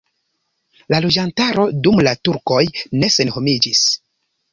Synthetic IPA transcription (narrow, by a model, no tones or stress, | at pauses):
lalod͡ʒantaɾo̞dumlatuɾko̞jne̞se̞nho̞mid͡ʒis